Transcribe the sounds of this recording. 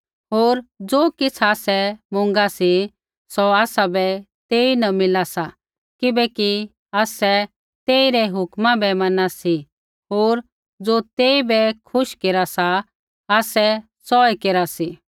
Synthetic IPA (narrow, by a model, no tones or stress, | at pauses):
ɦoːɾd͡zoːkɪt͡sʰaːsɛmʊ̃ŋ̆ɡasi | sɔaːsabɛ | t̪eːinɐmɪlasa | kɪbɛki | aːsɛ | t̪eːiɾɛɦʊkmãbɛmɐnasi | ɦoːɾ | d͡zoːt̪eːibɛkʰʊʃkeːɾasa | aːsɛ | sɔɛkeːɾasi